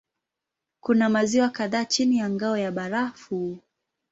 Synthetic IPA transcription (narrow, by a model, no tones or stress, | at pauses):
kunamaziwakaðaːt͡ʃinijaŋɡaɔjaɓaɾafu